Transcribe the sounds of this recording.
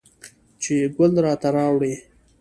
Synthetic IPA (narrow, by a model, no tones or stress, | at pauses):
t͡ʃeɡʊld̪ɾɑt̪aɾɑwɽe